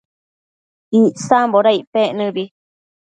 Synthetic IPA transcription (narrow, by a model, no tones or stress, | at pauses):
iʔsamboɾaiʔpeʔnɨ̃βi